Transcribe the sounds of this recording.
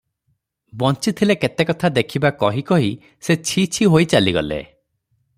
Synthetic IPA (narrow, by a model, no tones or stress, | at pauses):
bɔnt͡ʃit̪ʰileket̪ekɔt̪ʰad̪ekʰibakɔɦikɔɦi | set͡ʃʰit͡ʃʰiɦojt͡ʃaliɡɔ̰lḛ